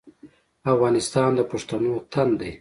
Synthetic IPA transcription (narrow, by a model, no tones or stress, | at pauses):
afɣɑːnɪst̪ɑːnd̪əpaʂt̪anot̪ʰand̪ej